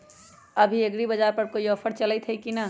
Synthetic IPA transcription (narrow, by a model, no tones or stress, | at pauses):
ɐbʱieɡɽibəd͡ʒaːɾpɐɾkoiɔpʰəɾt͡ʃələt̪ʰɦɛikina